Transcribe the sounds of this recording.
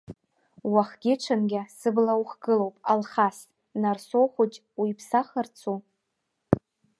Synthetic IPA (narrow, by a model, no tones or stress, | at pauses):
waχɡʲɪʈ͡ʂʰanɡʲasɨblawχɡɨlowpʼalχas | narsoχʷut͡ʃʼ | wipʰsaχərt͡sʰu